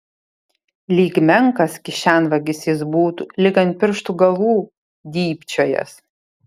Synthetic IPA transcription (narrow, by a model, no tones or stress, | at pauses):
lʲiːɡʲmʲɛŋkɐskʲɪʃʲænʋɐɡʲɪsjɪsbuːt̪ulʲɪɡɐnt̪̚pʲɪɾʃt̪uːɡɐʋuː | d̪ʲiːpʲt͡ʃʲoːjɛ̰s